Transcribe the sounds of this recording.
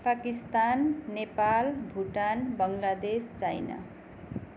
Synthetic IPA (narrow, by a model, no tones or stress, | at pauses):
pakist̪anːepalbʱuʈanbʌŋlad̪est͡sajna̰